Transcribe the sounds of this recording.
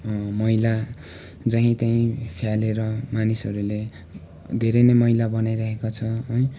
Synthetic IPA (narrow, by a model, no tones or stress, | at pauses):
mʌila | d͡zʌɦĩt̪aĩpʰjaleɾʌmanisʌɾule | d̪ʱeɾenʌjmʌɦilabʌnajɾʌɦekot͡sʰʌʌj